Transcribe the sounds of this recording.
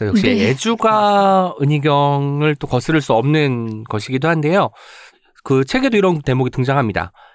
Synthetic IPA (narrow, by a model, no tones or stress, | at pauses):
ʌjʌkɕ͈ied͡ʑuɡaɯɲiɡjʌŋɯɭt͈okʌsʰɯɾɯɭs͈uʌmnɯnkʌɕʰiɡidohande̞jo | kɯt͡ɕʰe̞ɡe̞doiɾʌnte̞moɡitɯŋd͡ʑaŋɦamɲida̰